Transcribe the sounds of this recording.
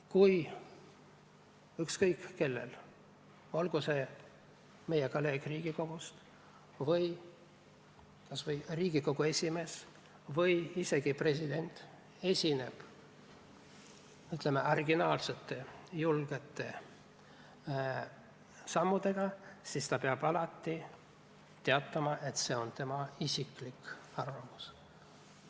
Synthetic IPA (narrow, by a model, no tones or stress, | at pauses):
kuj | ykskɤjkke̞lːḛl | o̞lɡ̥use | me̞jekolːe̞ːɡ̥riːɡ̥iko̞ɡ̥ust̪ | vɤj | kɑsvɤjriːɡ̥iko̞ɡ̥ue̞sʲime̞s | vɤjise̞ɡ̥ipre̞sid̪̥e̞nt̪ˑ | e̞sʲine̞̰b̥ | yt̪ˑlemːe̞ɑriɡinɑːlset̪ːˑe̞julɡ̥e̞t̪ːˑe̞ | sɑmːud̪̥e̞ɡ̥ɑsist̪ɑpeɑb̥ɑlɑt̪ˑːi | t̪e̞ɑt̪ːˑɑmɑʔe̞t̪se̞o̞nt̪e̞mɑisʲiklikɑrvɑmus